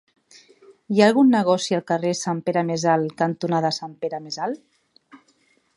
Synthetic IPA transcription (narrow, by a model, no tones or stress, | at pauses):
ijaːlˠɣunːəɣɔsialˠkəresampeɾamezalkənt̪unaðəsampeɾamezal